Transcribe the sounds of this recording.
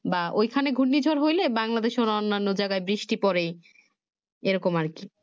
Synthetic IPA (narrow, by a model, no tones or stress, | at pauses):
baojkʰaneɡʱunːid͡ʑʱoɾɦojlebaŋlad̪eʃoɾɔnːanːod͡ʑajɡaebɾiʃʈipɔɾej | eɾɔkomaɾki